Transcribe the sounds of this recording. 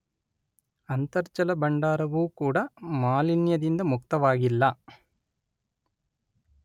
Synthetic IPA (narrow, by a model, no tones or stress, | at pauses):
ɐnt̪ɐɾt͡ʃɐlɐbɐɳɖaːɾɐʋuːkuːɽɐmaːlinjɐd̪ind̪ɐmuk̚t̪ɐʋaːɡilːɐ